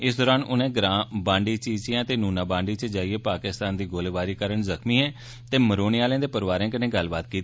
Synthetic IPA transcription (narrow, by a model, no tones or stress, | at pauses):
ɪsd̪ɔːɾaːnʊnẽːɡɾãːbãːɳɖiːt͡ʃiːt͡ʃɪjãːt̪eːnuːnaːbãːɳɖiːt͡ʃəd͡ʒaːieːpaːkɪst̪aːnd̪iːɡoːleːʋaːɾiːkəɾəɳzəkʰmiːɦɛ̃ː | t̪eːməɾoːneːaːlẽːd̪eːpəɾʋaːɾẽːk̬ənẽːɡəlbaːt̪̚kiːt̪ː